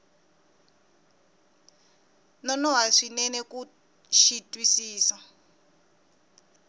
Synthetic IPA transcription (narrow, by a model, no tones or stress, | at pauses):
nɔnɔɦaʂinɛnɛku | ʃitʼwisiːsa